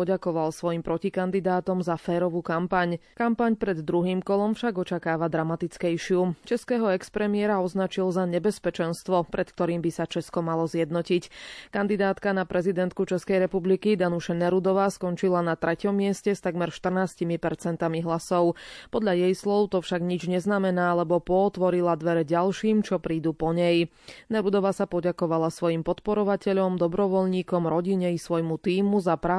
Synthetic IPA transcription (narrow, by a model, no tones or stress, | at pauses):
ɔɟakɔʋalsʋɔjimpɾɔcikand̪id̪aːt̪ɔmzafɛːɾɔʋuːkampaɲkampaɲpɾɛd̪ːɾuɦiːmkɔlɔmfʃaɡɔt͡ʃakaːʋad̪ɾamat̪it͡skɛjʃɪut͡ʃɛskɛːɦɔɛkspɾɛmɪɛɾaɔznat͡ʃilzaɲɛbɛspɛt͡ʃɛnst̪ʋɔpɾʔɛt̪k̚t̪ɔɾiːmbisat͡ʃɛskɔmalɔzjɛd̪nɔcickand̪id̪aːt̪kanapɾɛzid̪ɛnt̪̚kut͡ʃɛskɛjɾɛpublikid̪anuʃanɛɾud̪ɔʋaːskɔnt͡ʃilanat̪ɾʔɛcɔmːɪɛscɛst̪aɡmɛɾʃt̪r̩naːscimipɛɾt͡sɛnt̪amiɦlasɔʊpɔd̪ʎajɛjslɔʊt̪ɔfʃaɡɲid͡ʒɲɛznamɛnaːalɛbɔpɔːt̪ʋɔɾilad̪ʋɛɾɛɟalʃiːmt͡ʃɔpɾiːd̪upɔɲɛj | nɛɾud̪ɔʋasapɔɟakɔʋalasʋɔjimpɔt̪pɔɾɔʋacɛʎɔmd̪ɔbɾɔʋɔʎɲiːkɔmɾɔɟiɲɛisʋɔjmut̪iːmuzapɾa